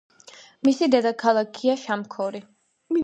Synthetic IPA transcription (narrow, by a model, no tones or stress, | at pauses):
misid̪ɛd̪akʰalˠakʰiaʃamkʰɔɾi